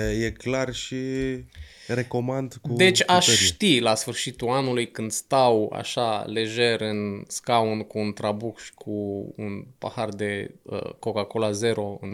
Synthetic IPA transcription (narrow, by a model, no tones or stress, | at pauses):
jeklarʃi | reko̞mand̪kud̪e̞t͡ʃʲaʃʃt̪ilasfɨrʃit̪uanulujkɨnd̪st̪awa̰ʃale̞ʒe̞ɾɨnskaunkuːnt̪ɾabukʃi̥kʰuṵnpa̰hard̪e̞ə̰ko̞kako̞laze̞ɾo̞ɨ̰n